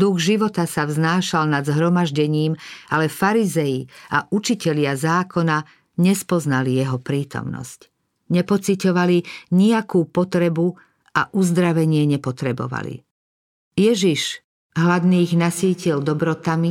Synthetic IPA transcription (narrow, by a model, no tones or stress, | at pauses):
d̪uɣʒiʋɔt̪asavznaːʃalnad̪zɦɾɔmaʒɟɛɲiːmalɛfaɾizɛjiaʔut͡ʃicɛʎɪazaːkɔna | ɲɛspɔznalijɛɦɔpɾiːt̪ɔ̰mnɔ̰sc | ɲɛpɔt͡sicɔʋaliɲiakuːpɔt̪ɾɛbu | aʔuzd̪ɾaʋɛɲɪɛɲɛpɔt̪ɾɛbɔ̰ʋa̰lḭ | jɛʒiʒ | ɦlad̪niːɣnasiːcild̪ɔbɾɔt̪ami